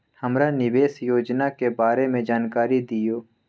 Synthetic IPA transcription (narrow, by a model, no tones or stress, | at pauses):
həmɾanɪʋeːsjoːd͡ʒnakebaːɾemẽd͡ʒaːnkaːɾid̪ijoː